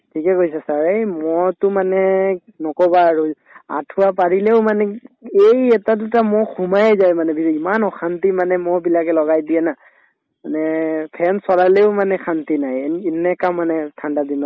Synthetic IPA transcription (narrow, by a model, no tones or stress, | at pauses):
tʰikɛkojsɛsaɹejmɔɹtʊmanɛ | nɔkɔbaːɹu | a̰tʰʊwapaɹilɛʊmanɛejɛtadutamɔxumajɛzajmanɛbiimanɔxantimanɛmɔɹbilakɛlɔɡajdiɛna | manɛpʰɛnsɔlalɛʊmanɛxantinajɛnɛkamːanɛtʰandadinɔ